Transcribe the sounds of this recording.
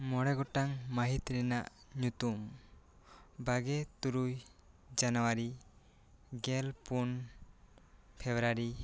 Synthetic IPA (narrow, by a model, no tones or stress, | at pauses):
mɔɽeɡɔʈaŋmaɦit̪ɾinaʔɲut̪um | baɡet̪uɾuj | d͡ʒanowaɾi | ɡelpun | pʰebɾaɾi